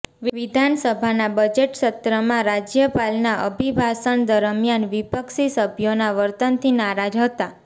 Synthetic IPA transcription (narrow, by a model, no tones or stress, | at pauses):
ʋʋɪd̪ʱansəbʱanabəd͡ʒeʈʃət̪ɾəmãɾad͡ʒjəpalnaʔə̰bʱibʱasəɳd̪əɾmjanʋipəksisəbʱjonaʋəɾt̪ənt̪ʰinaɾad͡ʒɦət̪a